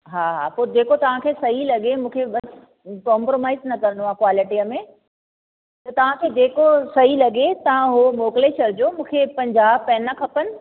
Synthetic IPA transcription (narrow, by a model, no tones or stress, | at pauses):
ɦaːɦa̰ːpoːɾd͡ʑeːkot̪ɐʋ̤ãkʰeːsɐɦilɐɠemũːkʰeɓɐs | kɔːmpɾoːmaːɪznɐkɐɾə̃nd̪oãːkwaːlɪʈiəmẽ | t̪ɐt̪ɐʋ̤ãkʰeːd͡ʑeːkosɐɦilɐɠet̪ɐʋ̤ãɦomoːkleːʃɐɾd͡ʑoːmũːkʰepɐ̃ɲd͡ʑaːb̚pɛːnɐkʰɐpənɪ̆